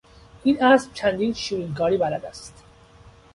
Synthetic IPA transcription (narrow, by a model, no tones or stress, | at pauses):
ʔiːnʔæsb̥̚t͡ʃʰænd̪iːnʃiːɾiːŋkʰɒːɾiːbælæd̪æst̪